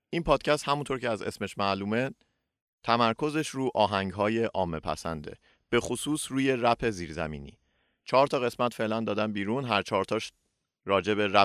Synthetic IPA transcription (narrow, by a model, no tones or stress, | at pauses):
ʔinpʰɒːd̪̥cʰæst̪hæmunt̪ʰoɾcʰeæze̞̰sme̞ʃmæluːme | t̪ʰæmæɾkʰo̞ze̞ʃɾuːʔɒːɦæŋɟɦɒːje̞ʔɒːmːepʰæ̰sæ̰nd̪e̞̰ | b̥e̞xosuːsɾuːje̞ɾæpʰe̞ziːɾzæ̰mḭːnḭː | t͡ʃʰɒːɾt̪ʰɒːɣe̞smæt̪fe̞lænd̪ɒːd̪ænbiːɾuːnɦæɾt͡ʃʰɒːɾt̪ʰɒːʃ | ɾɒːd͡ʒe̞be̞ɾæ